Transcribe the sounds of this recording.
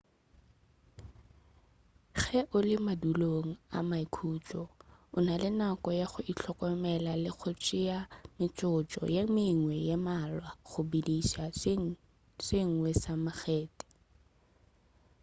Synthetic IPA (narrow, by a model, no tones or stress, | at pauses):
χɛʔʊlɪmaduloŋ̩a̰maikʰuːt͡ʃʼɔʊnalɪnakɔjaχʊʔit͡ɬʰɔkɔmɛlalɪχʰʊt͡ʃʼɪamɪt͡ʃʼʊt͡ʃʼɔ̰jemɪŋwɛjemalwaχʊbidisaŋ | sɪŋ̩wɛsamaχɛːtʼɛ̥